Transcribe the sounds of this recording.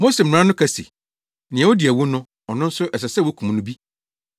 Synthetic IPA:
mo˦sɛ˨m̩˨ñ˨ã˦nʊ̃˦kʰæ˨sḭ˨ | nɪ̃˨ɛ̃˨wɔ˦di˨æ˨wu˦nʊ̃˦ | ɔ˨nʊ̃˦n̩˦sʊ˦ʔɛ˨s̬ɛ˨sɛ˦˨wo˦kʰũ˨m˨nʊ̃˦bi˦

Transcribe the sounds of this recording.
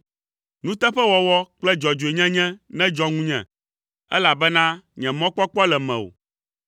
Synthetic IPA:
nũ˦t̪ɛ˦ɸɛ˦wɔ˨wɔ˦k͡plɛ˦d͡ʒɔ˨d͡ʒo˨e˨ɲɛ̃˦ɲɛ̃˦nɛ̃˦d͡ʒɔ˦ŋũ˦ɲɛ̰̃˨ | ɛ̰˦la˨bɛ˦nã˦ɲɛ̃˨mɔ̃˦k͡pɔ˦k͡pɔ˦lɛ˨mɛ̰̃˨o̰˨

